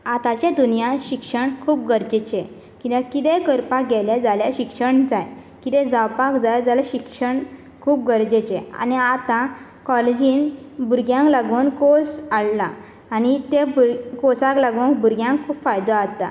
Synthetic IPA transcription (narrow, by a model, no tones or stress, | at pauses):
at̪at͡ɕãd̪unijãɕikʂəɳkʰuːp̚ɡəɾd͡ʑet͡ɕẽ | kĩʋakit̪ɛkəɾpakɡɛljad͡zaljaɕikʂəɳd͡zaj | kit̪ɛ̃d͡zawpakd͡zajd͡zaljaɕikʂəɳ | kʰuːp̚ɡəɾd͡ʑet͡ɕẽa̰niat̪ã | kɔled͡ʑĩːnbuɾɡjãŋklaɡuːnkosaɭlaː | nit̪ebkosãklaɡunkbuɾɡjãŋkʰːuːpfajd̪aat̪a̰